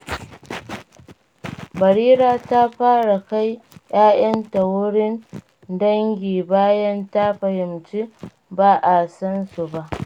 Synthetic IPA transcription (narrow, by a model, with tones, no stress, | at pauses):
bɐ˨ɽiː˦ɾaː˨ta˦ɸaː˦ɽa˨ka˦jjʔaː˦jɐ˦ntɐ˨wʊ˦ɽɪ˦n | dɐ˦ŋɡʲiː˨baː˦jɐ˦nta˦ɸɐ˨hɪ˨mt͡ʃi˦ | baː˦ʔa˨sɐ˦nsu˨ba˦˨ʔ